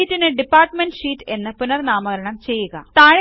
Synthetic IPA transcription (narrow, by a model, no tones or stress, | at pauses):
iːtːinɨɖipːaːrʈmeɳɖɕiːtːe̞nːɨpunɐrnaːmɐɣɐɾɐɳɐmt͡ɕe̞jːuɣɐt̪aːɻɐ